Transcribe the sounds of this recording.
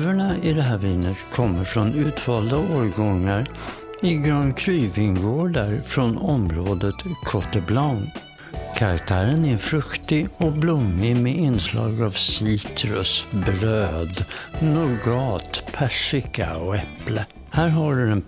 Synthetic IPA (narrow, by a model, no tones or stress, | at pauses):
vəɳaɪd̪ɛɦæːɾviːnət̪kʰɔmːəɾfɾɔnʉ̟ːt̪vɑːld̪aoːɾɡɔŋːaɾ | ɪɡɾœnkʰɾyːvɪŋɡoːɖəɾfɾɔnɔmɾoːd̪ət̪kʰɔʈ̪əblaʊn | kʰaɾakt̪ʰæːɾənæfɾɵkt̪ɪɔblʊmːɪmeɪnslɑ̰ːɡɑvsiːt̪ʰɾɵsbɾøːd̪nʊɾɡɑːt̪pʰæʂɪka̰ɔɛplə | hæːɾɦɑlɖ̪ɵɛn